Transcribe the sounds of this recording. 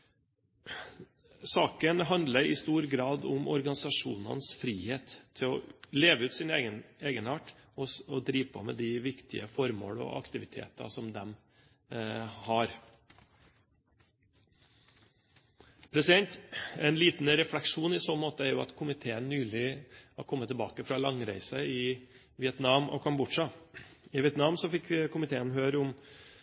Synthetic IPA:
sɑːkənɦɑnd̪ləɾɪ̰st̪uːɾɡɾɑːd̪ʊmɔ̰ɾɡɑnɪsɑʂuːnɑ̰nsfɾiːheːt̪ʰːɪlɔ̰leːʋəʉːt̪sɪnɛːɡəneːɡənɑʈːɔɔd̪ɾiːʋpʰɔmɛ̰d̪ɪʋɪkt̪ʰɪ̰əfɔɾmo̰ːɽɔ̰ɑ̰kt̪ɪʋɪt̪ʰḛːt̪ɑ̰sɔmd̪ɛm | hɑɾ | pʰɾɛsɪd̪ɛnt̪ɛɪnliːt̪n̩ɾɛflɛkʂuːnɪsɔnmoːt̪əæɾjʊɑ̰t̪kʰʊmɪt̪ʰeːənːyːlɪhɑ̰ɾkʰɔmːət̪ʰːɛbɑːkəfɾɑlɑŋɾæɪsəɪ | ʋɪɛt̪nɑːmʔɔ̰kʰɑmbʊʈʂɑɪʋɪɛt̪nɑmsɔfɪkːkʰʊmɪt̪ʰeːənɦøːɾəʊm

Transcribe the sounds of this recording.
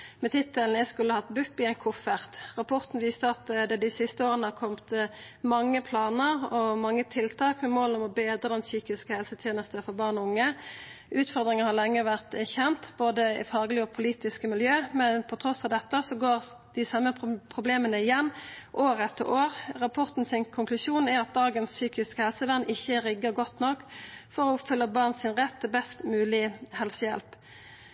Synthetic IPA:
mɛt̪ʰɪt̪ːəln̩ɛskʉlːəhɑt̪bʉpːɪæɪnkʰʊfəʁt̪ʁɑpʰɔʁt̪n̩ʋiːst̪əɑt̪d̪ɛd̪ɪsɪst̪əoːʁənəhɑkʰɔmt̪mɑŋːəpʰlɑːnəɾɔmɑŋːət̪ʰɪlt̪ʰɑːkmɛmoːlɔmɔbeːd̪ɾəd̪ɛnsyːkɪskəhɛlsət̪ʰjɛːnəst̪əfɔɾbɑːʁnɔʊŋːəʔʉːt̪fɔʁd̪ʁɪŋəhɑʁlɛŋːəʋæʁt̪æʁçɛnt̪boːd̪əɪfɑʁɡlɪɔpʰʊliːt̪ɪskəmɪljøːmɛnpʰɔt̪ʰʁɔsɑʋd̪ɛt̪ːəsɔɡoːʁ | d̪̥ɪsɑmːəpʰʁʊbleːmənəɪjɛnːʔoːɾɛt̪ʰːə̰ɾoːʁʁɑpʰɔʁt̪n̩sɪnkʰʊŋklʉsuːnæɾɑt̪̚d̪ɑːɡənssyːkɪskəhɛlsəʋænʔɪçːəʁɪɡəʁɡɔt̪nɔkːfɔʁɔʊpfʏlːəbɑʁnsɪnʁɛt̪ʰːɪlbɛst̪mʉːlɪhɛlsəjɛ̰lp

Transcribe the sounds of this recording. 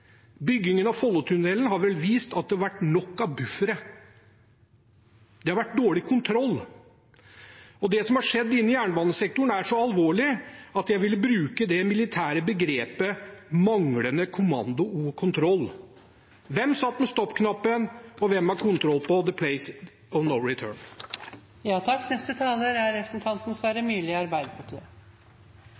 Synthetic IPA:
bʏɡːɪŋənɑfɔlːɔt̪ʰʉnɛlːənɦɑɾʋɛlʋiːst̪ɑt̪̚d̪ɛhɑɾʋæʈːnɔkːɑʋbʉfəɾə | d̪ɛhɑɾʋæʈ̚ːd̪oːɭɪkʰʊnt̪ʰɾɔlː | ɔd̪ɛsɔmhɑʂɛd̪ːɪnːəjæːɳəʋɑːnəsɛk̚t̪ʊɳæʂɔɑlʋoːɭɪɑt̪jæɪʋɪlːəbɾʉːkəd̪ɛmɪlɪt̪ʰæːɾəbəɡɾeːpəmɑŋɽənəkʰʊmɑnd̪ʊuːkʰʊnt̪ʰɾɔlː | ʋɛmːsɑt̪ːmɛst̪ɔpːkʰnɑpːənɔʋɛmːhɑɾkʰʊnt̪ʰɾɔlːpɔd̪əpʰlɛɪs | ɔnɔʋɾɪt̪ʰø̰ːɳ | jɑːt̪ʰɑkːnɛst̪ət̪ʰɑːləɾæɾːɛpɾəsn̩t̪ʰɑnt̪nəsʋæːɾəmyːlɪɑɾbæɪd̪əpʰɑʈʰiːə

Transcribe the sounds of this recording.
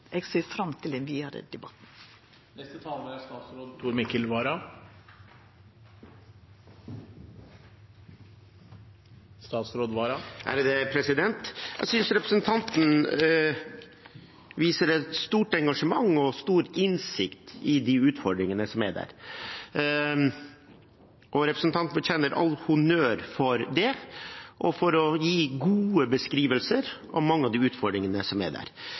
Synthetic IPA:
ʔɛɡseːfɾɑmt̪ʰɪlɛnʋiːɑɾə̰d̪ɛbɑt̪n̩ | nɛst̪ət̪ʰɑːləɾæst̪ɑːt̪sɾoːd̪̚t̪ʰuːɾmɪkəlʋɑːɾɑ | st̪ɑːt̪sɾoːd̪ʋɑːɾɑʔæ̰ːɾd̪ɛpʰɾɛsɪd̪ɛnt̪jɛ̰sʏnsɾɛpɾəsənt̪ʰɑnt̪n̩ | ʋiːsəɾɛt̪st̪uːʈɛŋɡɑʂəmɑŋːɔst̪uːɾɪnsɪkt̪ɪd̪iʉːt̪fɔɖɾɪŋənəsɔmæɖæ̰ːɾ | ʔɔɾɛpɾəsnt̪ʰɑnt̪nbəçɛnːəɾʔɑ̰lːhʊnøːɾfɔɾd̪ɛʔɔfɔɾɔjiːɡuːəbəskɾiːʋəlsəɾʔɔ̰mmɑŋːəɑʋd̪iʉːt̪fɔɖɾɪŋənəsɔmæ̰ɖ̪æ̰ːɾ

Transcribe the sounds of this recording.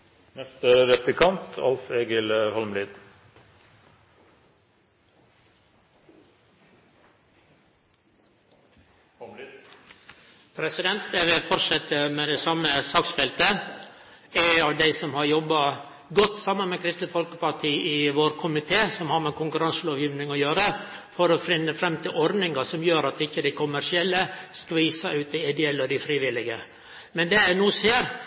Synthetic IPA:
nɛst̪əɾɛp̪ɪkʰɑnt̪ɑ̰lfeːɡəlhɔlmliːd̪ | pʰɾɛsɪd̪ɛnt̪̚d̪ɛʋɪfɔɾsɛt̪əmeːd̪ɛːsɑməsɑːksfɛlt̪ə | æɑʋd̪æɪsɔmhɑɾjɔbːɑ | ɡɔt̪ːsɑmənmɛkʰɾɪst̪ət̪fɔlkə̥pɑʈʰiːɪʋoːɾkʰʊmɪt̪ʰeːsɔmhɑɾmɛnkʰʊŋkʉɾɑnsəloːʋjiːʋnɪŋɔjøːɾəfɔɾɔfɾɪnːəfɾɛmt̪ʰɪlʔɔɾd̪nɪŋɑsɔmjøːɾɑt̪ɪçːəd̪æɪkʰʊmæɾʂɪɛlːəskɑʋiːsɑʉːt̪̚d̪æɪɪd̪ɛɛlːɔd̪ɪfɾiːʋɪlɪɡə | mɛnd̪ɛænuːseːɾ

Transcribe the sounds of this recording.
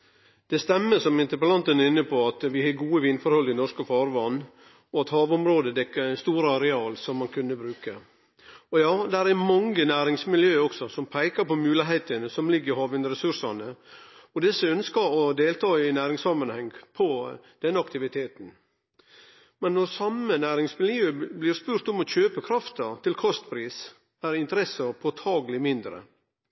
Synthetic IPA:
d̪̥ɛst̪ɛmːəsɔmɪnt̪əɾpəlɑnt̪ənɪnːəpʰɔɑt̪ʋɪhɑːɡuːəʋɪnfɔɾhɔlɪnɔʂkəfɑːɾʋɑnː | ɔɑt̪hɑːʋʊmɾoːd̪əd̪ɛkːəɾst̪uːɾəɑɾɛɑːlsɔmːɑnkʰʉnːəbɾʉːkə | ɔjɑːd̪æɾæmɑŋənæːɾɪŋsmɪljøːɔksɔsɔmpʰæɪkɑɾpɔmʉːlɪɦeɪt̪ənəsɔmlɪɡːəɾhɑːʋɪnɾɛsʉɾsɑnəɔd̪ɛsəœnskəɾɔd̪eːlt̪ʰɑːɪnæːɾɪŋsɑmːɑnhɛŋpʰɔ | d̪̥ɛnːəɑkt̪ɪʋɪt̪ʰeːt̪n̩ | mɛnːɔɾsɑmənæːɾɪŋsmɪljøːblɪɾspʉːɾt̪ɔmɔçøːpəkʰɾɑft̪əɾt̪ʰɪlkʰɔst̪pʰɾiːs | æɾɪnt̪əɾɛsəɾpʰɔt̪ʰɑːɡəlɪmɪnd̪ɾə̰

